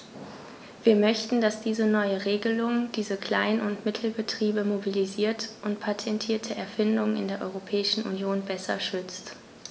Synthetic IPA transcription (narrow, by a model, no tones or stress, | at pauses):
v̥iːɐmœçtn̩dasd̥iːzənɔʏəʁeːɡəlʊŋd̥iːzəkl̥aɪnʊntmɪtʰl̩bətʁ̥iːbəmobiliziːɐtʔʊntpʰatʰɛntʰiːɐtʰəʔɛɐfɪndʊŋɪ̰ndeːɐʔɔ̰ʏʁopʰɛːɪʃn̩ʔṵnjoːnbɛsɐ̰ʃʏt͡st